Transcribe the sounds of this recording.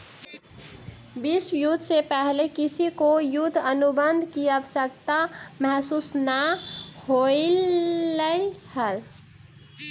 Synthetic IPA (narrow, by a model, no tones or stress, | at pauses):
bɪswjʊt̪ʰːsepɛɦlekɪsikojʊd̪ʱənʊbənd̪ʱkiəʋəsək̚t̪amɛɦsuːsnəhoiləihəl